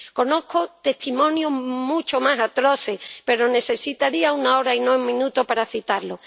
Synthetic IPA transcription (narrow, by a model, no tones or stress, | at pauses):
ko̞no̞kot̪e̞ht̪imõ̞njoɦmut͡ʃomasat̪ɾo̞θe̞hpe̞ɾo̞ne̞se̞sit̪aɾiaunao̞ɾainoumĩnut̪opaɾaθit̪aɾlo